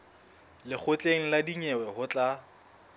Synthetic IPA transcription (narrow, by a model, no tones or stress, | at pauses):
lɪk͡xʰʊt͡ɬʼeŋ̩ladiɲɛwɛhʊt͡ɬʼa